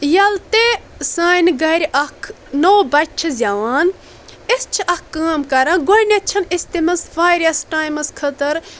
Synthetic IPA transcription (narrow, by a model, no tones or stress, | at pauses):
jɐlt̪esaːjnɡɐɾʲʔɐkʰ | noːbɐt͡ʃ̚ʲt͡ʃʰizʲaʋaːn | ist͡ʃʰiʔɐkːaːmkɐɾɐ̃ːnɡonʲɐt͡ʃʰɐnist̪imɐsʋaːɾʲjɐsʈaːjmɐskʰɐt̪ɐɾ